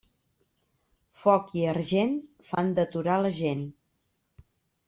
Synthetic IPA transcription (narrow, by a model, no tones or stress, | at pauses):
fɔkiəɾʒen | fand̪ət̪uɾaləʒen